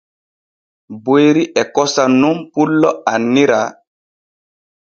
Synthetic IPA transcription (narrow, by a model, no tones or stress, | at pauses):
bojɾiʔɛkɔsanumpulːɔanːiɾa